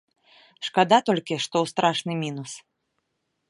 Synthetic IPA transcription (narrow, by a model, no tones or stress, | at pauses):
ʂkad̪at̪ɔlʲkʲiʂt̪ɔwst̪ɾʔaʂnɨmʲinus